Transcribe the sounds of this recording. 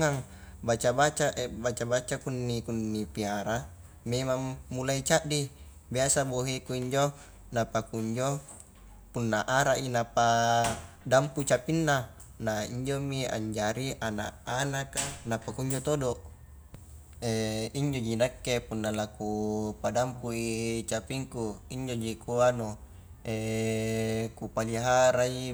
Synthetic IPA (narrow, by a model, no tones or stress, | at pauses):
ŋaŋ | bat͡ʃabat͡ʃaʔebat͡ʃabat͡ʃakunːikunːipiaɾa | memamːulait͡ʃaʔdi | biasaboɦekuiɲd͡ʒo | napakuɲd͡ʒo | punːaʔaɾaʔinapa | damput͡ʃapinːa | naiɲd͡ʒomia̰ɲd͡ʒaɾiʔana̰ʔanakanapakuɲd͡ʒot̪odoʔ | eiɲd͡ʒod͡ʒinakːepunːalakupadampuit͡ʃapiŋkuiɲd͡ʒod͡ʒikuano | e | kupaliɦaɾai